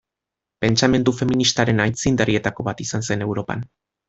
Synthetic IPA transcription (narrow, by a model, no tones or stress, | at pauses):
pe̞nt͡ʃame̞nd̪ufe̞minist̪aɾe̞najt͡sind̪erie̞t̪ako̞βat̪isanse̞ne̞wɾo̞pa̰n